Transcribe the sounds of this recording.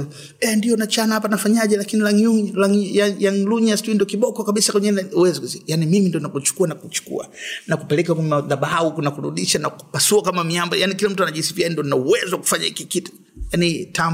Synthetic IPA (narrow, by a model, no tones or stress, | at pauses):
ɛndijɔnat͡ʃanahapanafaɲaʄɛlakinilaŋuŋlaŋjajaŋluɲastuindiɔkiɓɔkɔkaɓisakɛɲɛnuwɛzikuzjanimimindiɔnakut͡ʃu̥kuanakut͡ʃu̥kṵa̰nakupɛlɛkakmaðaɓauknakuɾṵɗiʃanaku̥pasuakamamiambɔjanikilam̩tuanaʄisiviandiɔnauwɛzwaku̥faɲahikikitu̥ | janitam